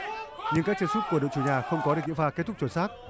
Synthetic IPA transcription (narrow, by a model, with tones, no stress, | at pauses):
ɲɨ̰˧ŋkaː˦˥k̚t͡ɕə˧nsu˦˥t̚ku˧˩əɗo̰˧˨wt͡ɕu˧˩ɲaː˨˩xə˧wŋ͡mkɔ˨˦ɗɨ˨˩k̚ɲḭ˧˥˨faː˧ke˦˥t̪̚ʰʊ˦˥k̚t͡ɕu˨˧˩nsaː˦˥k̚